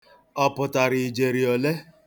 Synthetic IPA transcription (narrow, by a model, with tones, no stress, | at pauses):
ɔ˨pʊ˨ta˨ɾi˨i˨d͡ʒe˨ɾi˨ɔ˨le˦